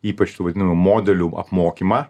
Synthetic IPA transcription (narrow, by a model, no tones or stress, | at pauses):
iːpɐt͡ʃʲt̪uːʋɐd̪ʲɪnɐmumoːd̪ʲɛlʲuʔɐ̰pmoːkʲimɐː